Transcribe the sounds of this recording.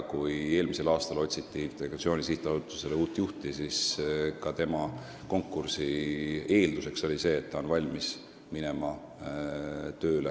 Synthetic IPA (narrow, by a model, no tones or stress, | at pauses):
kuje̞ːlmise̞lɑːst̪ɑlo̞tʲsit̪ːˑiint̪ːˑeleɡɑt̪sio̞ːnʲisiht̪ˑɑsut̪ːˑu̥seleuːt̪ːˑjuht̪isiskɑt̪e̞mɑ | ko̞ŋkːˑursie̞ːld̪use̞kso̞lʲise̞ːt̪ːɑo̞nvɑlʲmis | mine̞mɑ | t̪ø̞ːle